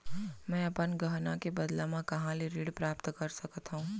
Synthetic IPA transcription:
mɛ̃ːɐpənɡɐɦnakebɐd̪lamãkɐɦãliɾiːɽpɾaːpt̪kɐɾsɐkət̪ɦũː

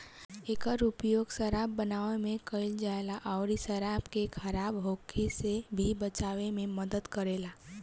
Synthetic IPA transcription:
eːkəɾʊpjoːɡsəɾaːbːənaːʋemẽkəɪld͡ʒaelaʔɔʊɾisəɾabkekʰəɾaːbɦoːkʰesebʱibət͡ʃaʋemẽməd̪əd̪kəɾela

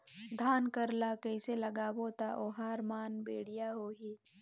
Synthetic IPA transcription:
d̪ʱaːnkɐɾlakəɪselɐɡaːbot̪aʔoːɦaːɾmaːnbeːɽijaɦoːɦiː

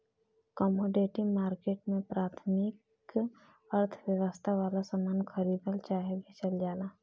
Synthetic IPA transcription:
kɔːmoːɖeːʈimaːɾkeːʈmẽpɾaːt̪ʰmɪk | əɾt̪ʰʋjəʋəst̪ʰaʋaːlasamaːnkʰəɾiːbəlt͡ʃaːɦebʱit͡ʃɐld͡ʒaːnaː

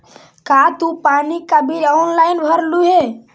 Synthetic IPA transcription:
kat̪upanikabʱiɔnlaɪnbʱəɾluɦe

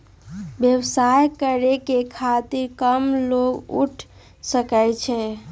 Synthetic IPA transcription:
bjəbsajkəɾekekʰat̪iɾkəmloɡṵʈʰ | səkəjt͡ʃʰɛ

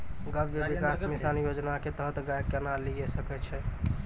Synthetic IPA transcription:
ɡəbʱjebikasmisanjod͡ʒnaket̪əɦət̪ɡajkːenaliɡɛsəkɛt͡ʃʰɛ

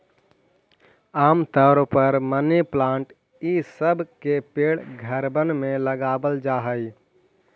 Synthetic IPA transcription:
aːmt̪ɔɾpəɾməniplãːɳʈ | isəbʱkepeːɽɡʱəɾbənmẽləɡaːbəld͡ʒaːɦəi

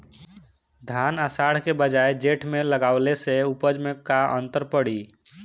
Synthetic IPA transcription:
d̪ʱanəsaɽ̤kebəd͡ʒaed͡ʒeʈʰmeləɡaʊleseupəd͡ʒmekaʔə̰nt̪əɾpəɽi

